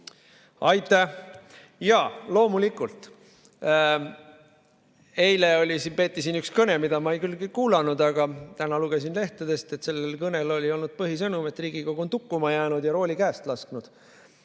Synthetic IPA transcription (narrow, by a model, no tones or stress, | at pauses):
ɑjt̪ˑːæ | jɑːlo̞ːmulikːˑult̪ˑ | e̞jle̞o̞lʲisinpe̞ːt̪ˑːisiːnykskɤne̞mid̪̥ɑmɑejkylːɡikuːlɑnud̪ɑɡ̥ɑt̪ænɑluɡ̥e̞s̬inle̞ht̪ɑd̪̥e̞st̪e̞t̪se̞lːelkɤne̞lo̞lʲio̞lnud̪̥̚pɤɦisɤnume̞t̪ːˑriːɡ̥ikoɡ̥uont̪ukːumɑjæːnud̪jɑɾo̞ːlʲikæːst̪lɑsknud̪̥